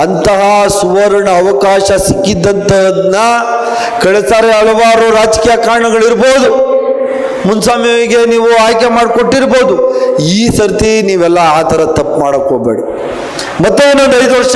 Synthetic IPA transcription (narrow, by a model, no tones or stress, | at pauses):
ɐnt̪ɐɦɐsuʋɐɾɐɳɐːʋɐkaːʃɐsikːid̪ːɐnt̪ɐd̪nːɐ | kɐɭesaːɾeɐɭɐʋaːɾuɾaːd͡ʒkiːjɐkaːɾɐɳɐɡɐɭiɾbo̞ːd̪u | munsaːmjɐiɡe̞niːʋuaːjkemaːɽko̞ʈːiɾbo̞ːd̪uiːsɐɾt̪iniːʋɛlːɐaːt̪ɐɾɐt̪ɐpːmaːɽɐkːoːbḛːɽi | mɐt̪ːeinːo̞nd̪ɐjd̪uʋɐɾʂ